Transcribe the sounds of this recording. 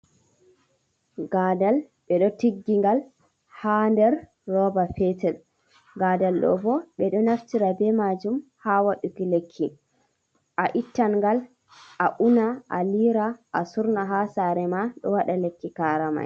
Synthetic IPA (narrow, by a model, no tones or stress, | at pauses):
ɡaːdal | ɓɛɗɔtiɡːiŋɡal | handɛɾː | ɔːbafɛtɛl | ɡaːdalɗɔ̰bɔɓɛɗɔnaftiɾabɛmad͡ʒumhawaɗukilekʰːi | ʔaʔitːanŋɡal | ʔaʔunaʔaliɾaʔːsuɾnaɦasaːɾɛmaɗɔ̰waɗalekːikaːɾama̰j